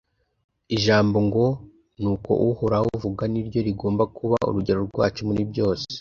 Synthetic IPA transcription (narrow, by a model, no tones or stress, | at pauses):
iʒaːmbo̞ŋɡo̞ | nuːko̞̰ʔuhuɾahuuvuɡaniɾɟo̞ɾiɡo̞ːmbakuβaṵɾuɟe̞ɾoɾɡwa̰ːt͡ʃomuɾibɟo̞ːse̥